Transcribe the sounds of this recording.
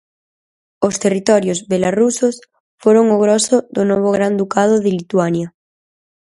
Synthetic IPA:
ost̪erit̪ɔɾjozβelarusos | foɾoŋoɣ̞ɾosoðonoβ̞oɣɾand̪ukað̞oðelit̪wanja

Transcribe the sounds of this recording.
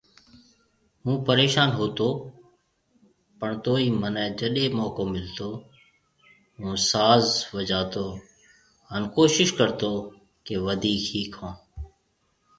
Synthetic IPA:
ɦũːpəɾeːʃaːnɦoːt̪oː | pəɳt̪oːiːmənɛ̃ːd͡ʒəɗeːmɔːkoːmɪlt̪oː | ɦũːsaːzʋəd͡ʒaːt̪oː | ɦənkoːʃɪʃkəɾt̪oː | keʋəd̪ʱiːkʰiːkʰõː

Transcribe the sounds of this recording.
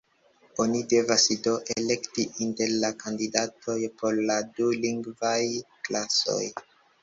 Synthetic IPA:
o̞nide̞vasdo̞ʔele̞ktiʔinte̞ɾlakandidatʰo̞jpo̞ɾladuliŋɡvajklaso̞̰j

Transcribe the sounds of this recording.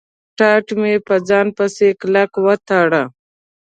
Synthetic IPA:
ʈɑːʈmepəd͡zɑːnpəseklakwɐt̪ʰaːɽa

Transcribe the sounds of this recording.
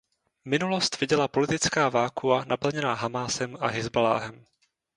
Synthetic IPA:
mɪnulo̞st̪v̥ɪɟɛlapo̞lɪt̪ɪt͡skaːvaːkuanapl̩ɲɛnaːɦamaːsɛmʔa̰ɦɪzbala̰ːɦɛm

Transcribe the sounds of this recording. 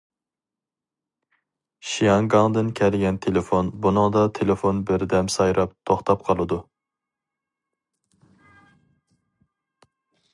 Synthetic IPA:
ʃijɑŋɡɑŋd̪ɪnkʲʰɛlɡʲɛnt̪ʰelefonbunɨŋd̪ɑt̪ʰelɪfonbɪɾd̪ɛmsɑjɾʔɑp̚t̪ʰoχt̪ʰɑp̚qʰɑlˠɨd̪u

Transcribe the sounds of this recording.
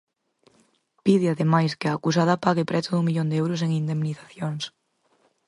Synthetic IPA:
piðeaðemajskeaːkus̬aðapaɣepɾʔɛθoðuŋmiʎond̪eewɾos̬eŋind̪emniθaθjoŋs

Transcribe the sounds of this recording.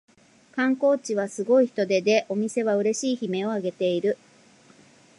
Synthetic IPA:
kãŋko̞ːt͡ɕiβasɨɡo̞içi̥t̪o̞d̪e̞d̪e̞ʔo̞mʲise̞βaɯ̟ɾe̞ɕiːçime̞o̞aɡe̞t̪e̞iɾɯ̟

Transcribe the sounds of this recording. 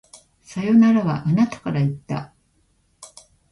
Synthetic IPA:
sajo̞naɾaβa̰ʔanat̪ḁkaɾait̪ːa̰

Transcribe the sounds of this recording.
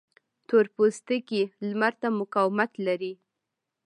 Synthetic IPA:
t̪oɾpost̪əkilmaɾt̪amʊkawmat̪laɾi

